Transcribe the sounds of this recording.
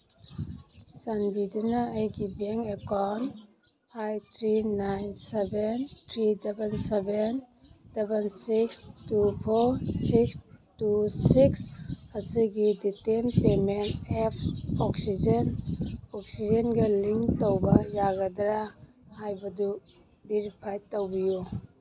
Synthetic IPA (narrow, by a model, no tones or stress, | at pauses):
sanbidunaːjɡibeŋekan | pʰajt̪ʰɾinajnsebentʰɾidebenseben | d̥ebensikstupʰoɾsikstusiksɐsiɡiditenpemenepʰɔksid͡ʒenɔk̚sid͡ʒenɡɐliŋk̚towbɐjaɡɐdɾa | hajbɐdu | beɾipʰajtowbiju